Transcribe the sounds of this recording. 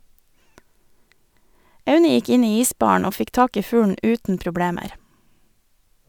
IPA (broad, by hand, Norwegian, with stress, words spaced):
ˈɑʉnə ˈjɪk ˈɪn ˈiː ˈiːˌsbɑːɳ̩ ˈoː ˈfɪk ˈtɑːk ˈiː ˈfʉːɳ̩ ˈʔʉːtn̩ pɾʊˈbɽeːməɾ